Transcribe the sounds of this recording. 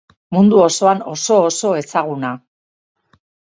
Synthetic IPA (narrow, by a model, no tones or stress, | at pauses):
mund̪uo̞so̞ano̞so̞ːso̞e̞saɣ̞una